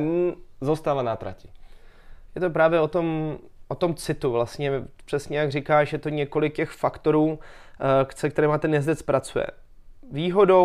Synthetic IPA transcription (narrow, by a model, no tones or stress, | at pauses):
zost̪alanat̪ɾa̰cɪ | jɛt̪opɾaːvjɛot̪o̞m | ʔot̪o̞mt͡sɪt̪uvlast̪ɲɛpr̥ɛsɲɛjaɡrɪkaːʃjɛt̪o̞ɲɛko̞lɪk̚cɛxfakt̪o̞ɾuː | ksɛk̚t̪ɛɾɛːmat̪ɛnjɛzdɛt͡spɾat͡sujɛ̰ | viːɦo̞do